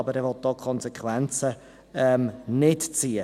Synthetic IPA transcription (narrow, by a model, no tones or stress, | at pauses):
ɑbəɾɛʋɔt̪̚d̥ɔːkʰɔnsɛkʰwɛnt͡sə | ɛmnɪtt͡siːə